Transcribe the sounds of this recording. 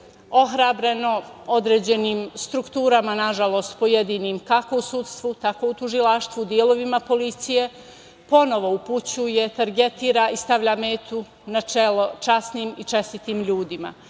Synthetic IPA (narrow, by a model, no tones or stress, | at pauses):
o̞ɦɾaːbɾe̞no̞o̞d̪ɾe̞ːd͡ʑe̞niːmst̪ɾukt̪uːɾamanaʒalˠo̞st̪po̞je̞d̪iːniːmkako̞usut̪st̪ʋut̪ako̞ut̪uʒilˠaʃt̪ʋuːd̪jelo̞ʋimapo̞lit̪sije̞ | po̞no̞ʋo̞uput͡ɕuje̞t̪aɾɡe̞t̪iːɾaʔist̪aʋʎaːme̞ːt̪u | nat͡ʃelo̞t͡ʃasniːmit͡ʃe̞st̪it̪iːmʎuːd̪ima̰